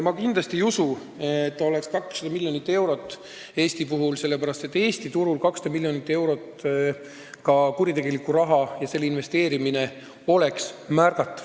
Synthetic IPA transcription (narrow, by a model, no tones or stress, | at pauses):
mɑkind̪lɑst̪iusu | et̪ːo̞le̞kskɑksːɑd̪ɑmilʲjo̞nit̪ːe̞wɾo̞t̪ːˑ | e̞ːst̪ipuɦulse̞lːe̞pæɾɑst̪e̞t̪ːˑe̞ːst̪it̪uɾulkɑksɑ̥d̪ɑmilʲːjo̞nit̪ːˑe̞wɾo̞t̪ː | kɑkuɾit̪e̞ɡ̥e̞likːuɾɑɦɑjɑse̞lːinve̞st̪e̞ːɾimine̞ | o̞le̞ksmærkɑt̪ːˑɑ̥v̥